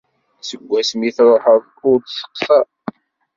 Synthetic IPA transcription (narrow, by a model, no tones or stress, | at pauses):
səɡʷːæsmiθɾˤʊħəɾðˤ | ʊɾd̪sə̥qsæ